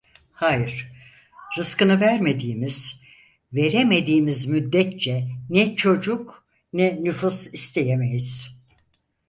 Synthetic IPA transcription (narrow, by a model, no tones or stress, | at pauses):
haːjɯɾ̥ | ɾɯskɯnɯvæɾme̞d̪iːmiz̥ | ve̞ɾeme̞d̪iːmizmyd̪ːɛt̪̚t͡ʃʰɛnɛt͡ʃʰo̞d͡ʒuk | nɛnyfusist̪ʰe̞jemejiz̥